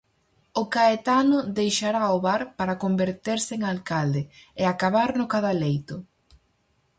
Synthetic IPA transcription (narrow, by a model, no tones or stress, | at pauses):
ʊkaet̪anʊðejʃaɾaoβaɾpaɾakombeɾt̪eɾsɪːŋalkald̪ɪeakaβaɾnʊkaðalejt̪ʊ